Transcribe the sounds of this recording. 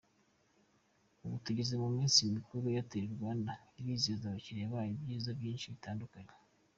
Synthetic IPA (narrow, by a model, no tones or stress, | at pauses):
uβutuɟizemumiːnsimikuɾojateɾeɾɡaːndaiɾiːzizaβaciɾejaβaːjibjiːzaβɟiːnʃiβitaːndukaɲe